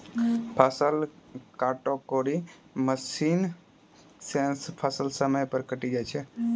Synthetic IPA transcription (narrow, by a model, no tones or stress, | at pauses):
pʰasəlkaʈokoɾi | məsin | senspʰasəlsəməjpəɾkəʈid͡ʒajt͡ʃʰɛ